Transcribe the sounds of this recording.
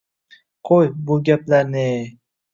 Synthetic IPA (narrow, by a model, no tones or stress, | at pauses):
qʰojbʊɡʲaplaɾnɪ